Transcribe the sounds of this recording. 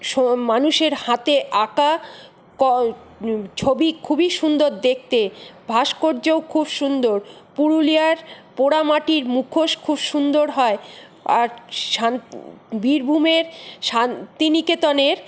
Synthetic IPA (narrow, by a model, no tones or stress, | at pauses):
ʃomanuʃeɾhãt̪eʔaka | kɔ | t͡ɕʰobikʰubiʃund̪oɾd̪ek̚ʰt̪ebʱaʃkoɾd͡ʑeokʰubʃund̪oɾpuɾulijaɾpoɽamaʈiɾmukʰoʃkʰubʃund̪oɾɦɔe | a̰ɾʃanbiɾbʱumeɾʃant̪iniket̪ɔneɾ